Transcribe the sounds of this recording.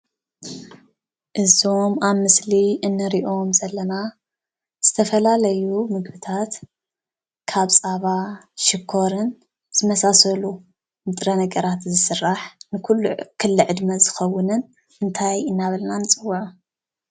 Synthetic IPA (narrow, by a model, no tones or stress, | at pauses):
ʔɨzomaβmɨsliʔɨnːɨɾiʔo̞mzɐlːɐna | z̥ɨt̪ʰɐfɐlalɐjumɨɡbɨt̪ʰat̪ | kʰaβt͡sʼaβaʃɪkʰːo̞ɾɨn | z̥ɨmɐsasɐlu | mɨt̪ʼɾɐnɐɡɐɾat̪zɨsɨrːaħnɨkʰulːukʰɨlːɨʕɨd̪mɐzɨxɐwːʊnɨn | ɨnt̪ʰajɨnːaβɐlnanɨt͡sʼɨwːuʕu